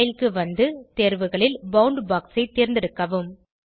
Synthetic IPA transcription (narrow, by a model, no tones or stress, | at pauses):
ɪlkɯʋɐnd̪ɯt̪eːɾʋɯɣɐɭɪlbɐʊɳɖbaːksɐɪt̪ːeːɾnd̪ɪɾɯkːɐʋɯm